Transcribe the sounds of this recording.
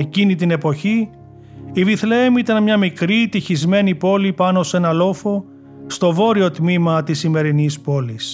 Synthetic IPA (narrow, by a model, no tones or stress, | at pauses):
ecinit̪ine̞po̞çi | iviθleemit̪ɐnmɲɐmikɾit̪içizme̞nipo̞lipɐno̞se̞nɐlo̞fo̞ | st̪o̞vo̞ɾio̞t̪mimɐt̪isime̞ɾinispo̞lis